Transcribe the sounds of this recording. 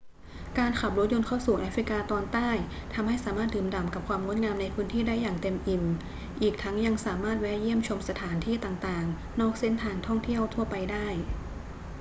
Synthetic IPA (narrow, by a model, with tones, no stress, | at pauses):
kaː˧nkʰa˨˩p̚ɾo˦˥t̪̚jo˧nkʰaː˥˩wsuː˨˩ʔaː˦˥fɾi˦˥kaː˧t̪ɔː˧nt̪aː˥˩jt̪ʰa˧mha˥˩jsaː˩˦maː˥˩t̪̚dɯː˨˩mda˨˩mka˨˩p̚kʰwaː˧mŋu˦˥t̪̚ŋaː˧mna˧jpʰɯː˦˥nt̪ʰiː˥˩daː˥˩jːaː˨˩ŋt̪e˧mʔi˨˩m | ʔiː˨˩k̚t̪ʰa˦˥ŋja˧ŋsaː˩˦maː˥˩t̪̚wɛ˦˥ji˥˩əmt͡ɕʰo˧msa˧t̪ʰaː˩˦nt̪ʰiː˥˩t̪aː˨˩ŋt̪aː˨˩ŋ | nɔː˥˩k̚se˥˩nt̪ʰaː˧ŋt̪ʰɔ˥˩ŋt̪ʰi˥˩əwt̪ʰu˥˩əpa˧jdaː˥˩j